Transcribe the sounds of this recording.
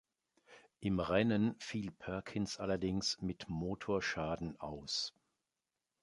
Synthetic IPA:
ʔɪmʁɛnənfiːlpʰœɐkʰɪnsʔa̰lɐdɪŋsmɪtmoːtʰoːɐʃaːdn̩ʔa̰ʊs

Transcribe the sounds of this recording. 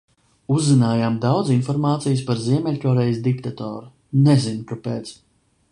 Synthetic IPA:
uzːinaːjaːmd̪awd̪zinfɔɾmaːt̪sijspaɾziɛmʲɛlʲkɔɾɛjsd̪ik̚t̪at̪ɔ̰ːɾu | nɛzinkapeːt̪s

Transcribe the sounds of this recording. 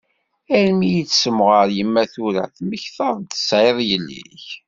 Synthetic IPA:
æɾmijit͡sːsəmʁəɾjəmːæθuɾæ̰θməçθəðˤt̪ə̥sʕeðˤjəlːḭç

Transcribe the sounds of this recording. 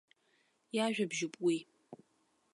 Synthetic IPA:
jaʒᶣabʒɪpʼwi

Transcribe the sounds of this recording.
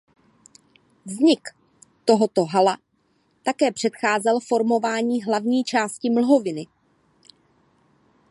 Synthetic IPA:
vzɲɪk | t̪o̞ɦo̞t̪o̞ɦala | t̪akɛːpr̝̥ɛt̪xaːzɛlfo̞ɾmo̞vaːɲiːɦlavɲiːt͡ʃaːscɪml̩ɦo̞vɪnɪ

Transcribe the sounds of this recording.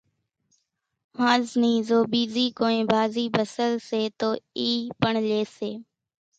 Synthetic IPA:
hãːznĩːzoːbiːziːkoːẽːbʱaːziːbəsəlseːt̪oːiːpəɳleːseː

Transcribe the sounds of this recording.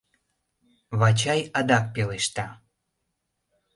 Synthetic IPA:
βɑt͡ɕɑjɑd̪ɑk̚peleʃt̪ɑ

